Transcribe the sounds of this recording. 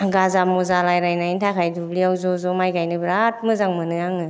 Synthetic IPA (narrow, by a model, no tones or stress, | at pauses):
ɡazamɔzalajɾajnaintʰakʰajdubliawzɔzɔmajɡajnɯbɾat̚mɯzaŋmɯnɯjaŋɯ